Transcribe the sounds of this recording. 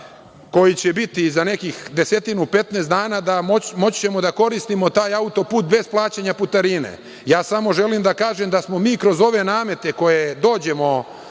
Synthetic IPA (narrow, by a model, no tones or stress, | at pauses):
ko̞jit͡ɕe̞bit̪izane̞kixd̪e̞se̞t̪inupe̞t̪neːsd̪aːnaːd̪amomo̞t͡ɕt͡ɕe̞mo̞d̪ako̞ɾist̪imo̞t̪aːjaut̪o̞puːt̪̚be̞splˠaːt͡ɕeɲaput̪aɾinḛ | jaːsamo̞ʒe̞limd̪akaːʒe̞md̪asmo̞miːkɾo̞zo̞ʋe̞naːme̞t̪e̞ko̞je̞d̪o̞ːd͡ʑe̞mo̞